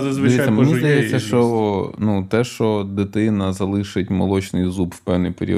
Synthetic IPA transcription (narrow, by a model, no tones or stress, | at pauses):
ɐzɪʋʲitsʲɐmenʲizd̪ɐjɛsʲɐʃt͡ʃɔnut̪ɛʃt͡ʃɔd̪ɪt̪ɪnɐzɐlˠɪʃɪtʲmɐ̰lˠɔt͡ʃnɪjzupwpɛwnɪjpeɾʲḭ